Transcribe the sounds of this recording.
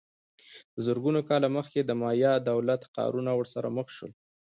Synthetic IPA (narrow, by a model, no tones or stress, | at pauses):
bəzəɾɡunokɑlaməxked̪əmɑjɑd̪awlat̪qɑ̰ɾunawəɾsaɾa̰məxʃə̰l